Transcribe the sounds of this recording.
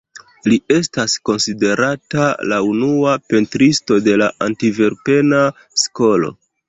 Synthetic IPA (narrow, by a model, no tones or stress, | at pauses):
lie̞stasko̞nside̞ɾatala̰unuape̞ntɾisto̞de̞laʔantiveɾpe̞na | sko̞lo̞̰